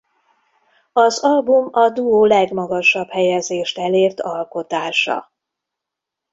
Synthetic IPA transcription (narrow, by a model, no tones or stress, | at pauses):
ɒzɒlbumɒd̪uoːlɛɡmɒɡɒʃɒbhɛjɛzeːʃt̪ɛleːrt̪ʰɒlko̞t̪aːʃɒ̰